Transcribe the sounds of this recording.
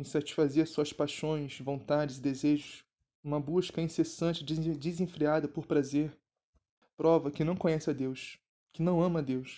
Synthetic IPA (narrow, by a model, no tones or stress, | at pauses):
ĩsat͡ʃi̥ʃfazeɾsuɐspajʃõj̃ʃvõnt̪ad͡ʒɪzɪd̪ezeʒʊs | ũmɐbuʃkɐĩsesɐ̃nt͡ʃɪd͡ʒzd͡ʒɪzẽfɾiad̪ɐpoɾpɾazeɾ | pɾɔvɐkɪnɐ̃w̃kõɲɛsɪɐd̪ewʃ | kɪnɐ̃w̃ɐ̃mɐd̪ewʃ